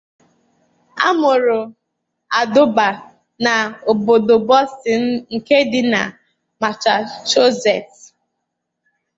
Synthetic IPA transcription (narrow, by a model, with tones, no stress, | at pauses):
a̰˦mʊ˨ɾʊ˨ | a˨dʊ˦ba˨ | na˨o˨bo˨do˨bɔ˦stɪ˨n̩˦ŋ̩˨ke˦dɪ˦na̰˨ | ma˨t͡ʃa˨ʃo˦zɛ˨t